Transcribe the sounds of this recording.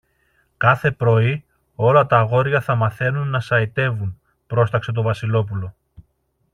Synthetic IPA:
kɐθe̞pɾo̞i | o̞lɐt̪ɐːɣo̞ɾʝɐθɐmɐθe̞nunːɐsɐit̪e̞vun | pɾo̞st̪ɐkse̞t̪̬o̞vɐsilo̞p̬ulo̞

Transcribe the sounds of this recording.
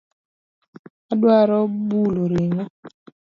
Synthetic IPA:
aɗwaɾɔbuloɾeɲa

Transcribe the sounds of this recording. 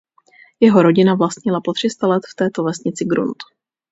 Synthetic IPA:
jɛɦo̞ɾoɟɪnavlast̪ɲɪlapo̞t̪r̝̥ɪst̪alɛt̪ft̪ɛːt̪o̞vɛsɲɪt͡sɪɡɾṵnt̪

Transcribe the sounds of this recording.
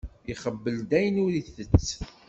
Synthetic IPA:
iχəbːəld̪æjənʊɾiθət͡sː

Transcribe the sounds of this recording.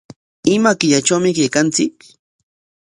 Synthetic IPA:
ɪmakɪʎat͡ʃawmɪkajkant͡sɪk̚

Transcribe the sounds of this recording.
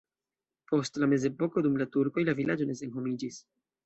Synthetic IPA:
po̞stlame̞ze̞po̞ko̞dumlatuɾko̞jlavilad͡ʒo̞ne̞se̞nɦo̞mid͡ʒis

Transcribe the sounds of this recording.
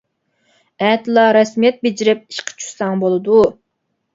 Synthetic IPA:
ɛt̪lˠɑɾɑsmijɛt̪̚bed͡ʒiɾɪp̚i̥ʃqʰə̥t͡ʃʰu̥sɑŋbolˠɨd̪u

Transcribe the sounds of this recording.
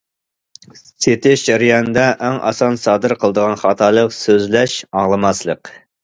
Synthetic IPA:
set̪ʰɪʃd͡ʒæɾɨjɑnɨd̪ɛʔæŋʔɑ̰sɑnsɑːd̪ɨɾqʰəlˠəd̪əʁɑnχɑːt̪ʰɑlˠəqsøzlɛʃɑŋlˠəmɑslˠəq

